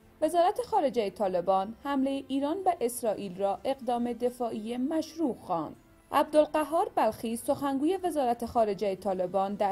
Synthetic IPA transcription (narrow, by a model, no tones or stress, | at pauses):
ve̞zɒːɾæt̪ʰe̞xɒːɾe̞d͡ʒejet̪ʰɒːle̞bɒːnhæmlejeʔiːɾɒːnbeʔesɾɒːʔiːlrɒːʔe̞ɣd̪ɒːme̞d̪e̞fɒːʔijemæʃɾuːxɒːnd̪̥ | ʔæb̚d̪olɢæɦːɒːɾbælxiːso̞xæŋɡuːje̞ve̞zɒːɾæt̪ʰe̞xɒːɾe̞d͡ʒejet̪ʰɒːle̞bɒːnd̪æ